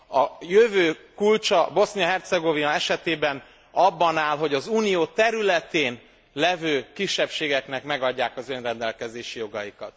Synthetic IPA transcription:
ɒjøvøːkult͡ʃɒbo̞snijɒɦɛrt̪sɛɡovinɒɛʃɛt̪eːbɛn | ɒbːɒnaːlɦo̞ɟɒzuːnijoːt̪ɛɾylɛt̪eːn | lɛvøːkiʃːɛpʃeːɡɛknɛkmɛɡɒɟːaːkɒzø̞nrɛnd̪ɛlkɛzeːʃijo̞ɡɒjikɒt̪

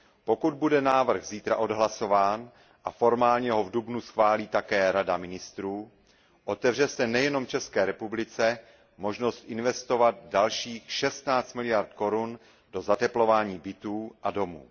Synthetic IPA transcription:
po̞kud̪̚budɛnaːvr̩ɣziːt̪ɾaʔo̞dɦlaso̞vaːn | ʔafo̞ɾmaːlɲɛɦovdubnusxvaːliːt̪akɛːɾadamɪnɪst̪ɾuː | ʔo̞t̪ɛvr̝ɛsɛnɛjɛno̞mft͡ʃɛskɛːɾɛpublɪt͡sɛ | mo̞ʒno̞st̪ʔɪnvɛst̪o̞vad̪̚dalʃiːxʃɛst̪naːt͡st̪mɪlɪjaɾt̪̚ko̞ɾun | d̥o̞zat̪ɛplo̞vaːɲiːbɪt̪uːʔado̞mṵː

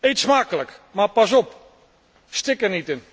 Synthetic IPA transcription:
ejtsmaːkələkmapasɔp̚ | stɪkərnitɪn

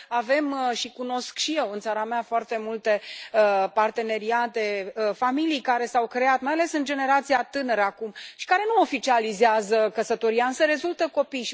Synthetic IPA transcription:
ave̞mʃikuno̞skʃije̞wɨnt̪saɾameafoart̪e̞mult̪e̞ | part̪e̞ne̞ɾiat̪e̞familijkaɾe̞sawkɾe̞at̪majale̞sɨnd͡ʒe̞ne̞ɾat̪sijat̪ɨnəɾəakumʃi̥kaɾe̞nuofit͡ʃializeazəkəsət̪o̞ɾijaɨnsəɾe̞zult̪əko̞pijʃi

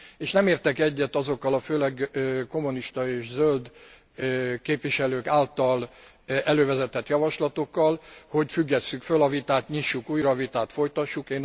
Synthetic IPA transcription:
eːʃnɛmeːrt̪ɛkɛɟːɛt̪ɒzo̞kːɒlɒføːlɛɡko̞muniʃt̪ɒeːʃzøld̪ | keːpʋiʃɛløːkaːlt̪ɒl | ɛløːvɛzɛt̪ɛt̪jɒvɒʃlɒt̪o̞kːɒlho̞ɟfyɡːɛsːykfølɒvit̪aːt̪ɲiʃːukuːjrɒvit̪aːt̪fo̞jt̪ɒʃːukeːn

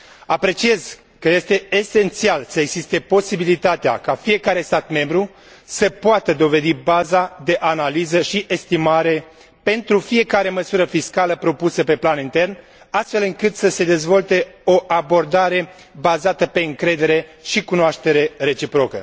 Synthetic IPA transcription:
apɾe̞t͡ʃie̞z̥ | kəje̞st̪e̞ese̞nt̪sialsəeɡzist̪e̞po̞sibilit̪at̪ea̰kafije̞kaɾe̞st̪at̪me̞mbɾu | səpoat̪əd̪o̞ve̞d̪ibazad̪e̞ʔanalizəʃiʔest̪imaɾe̞ | pe̞nt̪ɾufije̞kaɾe̞məsuɾəfiskaləpɾo̞pusəpe̞planint̪e̞rn | ast̪fe̞lɨŋkɨt̪səse̞d̪e̞zvo̞lt̪e̞o̞ʔabo̞rd̪aɾe̞ | bazat̪əpe̞ɨŋkɾe̞d̪e̞ɾe̞ʃikunoaʃt̪e̞ɾe̞re̞t͡ʃipɾo̞kə̰

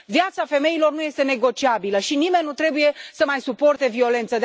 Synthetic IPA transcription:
vjat̪safe̞me̞ilo̞rnuje̞st̪e̞ne̞ɡo̞t͡ʃiabiləʃinime̞nːut̪ɾe̞buje̞səmajsupo̞rt̪e̞vio̞le̞nt̪səd̪

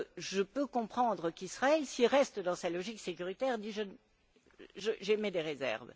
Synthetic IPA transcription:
ʒəpøkɔ̃pχɑ̃d̪ʁəkisχaɛlsilʁɛst̪d̪ɑ̃salɔʒiksekʲyʁit̪ɛʁd̪iʒən | ʒəʒemed̪eʁezɛ̰ʁv

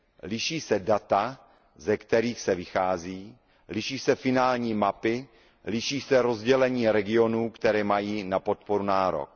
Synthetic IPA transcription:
lɪʃiːsɛdat̪a | zɛkt̪ɛɾiːxsɛvɪxaːziː | lɪʃiːsɛfɪnaːlɲiːmapɪ | lɪʃiːsɛɾo̞zɟɛlɛɲiːɾɛɡɪo̞nuːkt̪ɛɾɛːmajiːnapo̞t̪̚po̞ɾunaːɾo̰k̚

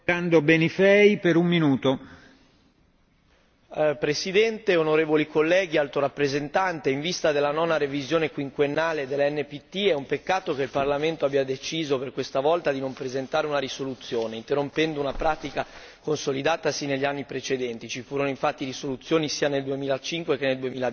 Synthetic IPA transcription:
and̪obenifɛjpeɾumːinuːt̪o | pɾesid̪ɛnt̪eonoɾeːvolikolːɛːɡ̟ialt̪oɾapːɾezent̪ant̪eiɱvist̪ad̪elːanɔːnaɾevizjoːnekwiŋkwenːaːled̪elːaɛnːepit̪ːiɛumpekːaːt̪okeilparlament̪oabiad̪et͡ʃiːzoperkwest̪avɔlt̪ad̪inompɾezent̪aːɾeunaɾisolut̪sːjoːneint̪erompɛnd̪ounapɾaːt̪ika | konsolid̪aːt̪asineʎːanːipɾet͡ʃed̪ɛnt̪it͡ʃifuːɾonoĩɱfat̪ːirisolut̪sːjoːnisiːaneld̪uemiːlat͡ʃiŋkwek̟enːeld̪uemiːlad̪

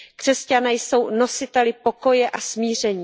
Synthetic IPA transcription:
kr̝̥ɛscanɛjso̞wno̞sɪt̪ɛlɪpo̞ko̞jɛʔasmiːr̝ɛɲiː

